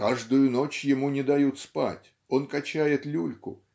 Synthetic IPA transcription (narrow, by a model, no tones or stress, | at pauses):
kaʐd̪ʊjʊno̞t͡ɕjɪmunʲɪd̪ɐjut̪spa̰tʲ | o̞nkɐt͡ɕæjɪt̪lʲulʲkʊ